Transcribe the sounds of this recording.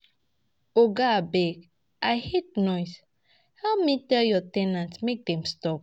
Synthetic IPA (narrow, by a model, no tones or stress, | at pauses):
oɡabɛɡ | ʔajhet̚nɔjs | haʊmitɛljɔtɛ̃nãntmek̚dɛ̃mstɔp̚